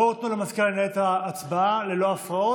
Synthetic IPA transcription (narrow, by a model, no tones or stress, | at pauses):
oʁot̪nulemaskalnet̪aːt͡sbaale̞lo̞afʁao